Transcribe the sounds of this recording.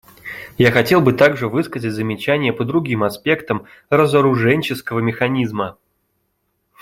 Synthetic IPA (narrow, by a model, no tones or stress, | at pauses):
jaxɐtʲe̞lˠbɨt̪aɡʐɨvɨskəzət̚ʲzəmʲɪt͡ɕænʲɪjəpəd̪ɾʊɡʲimɐspʲe̞kt̪əm | rəzəɾʊʐɛnʲt͡ɕɪskəvəmʲɪxɐnʲizmə